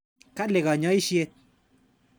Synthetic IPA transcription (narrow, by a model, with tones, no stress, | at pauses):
ka˦lɪ˨ɣɔ˨ɲɔ˨˦i˦ʃje˦t̪̚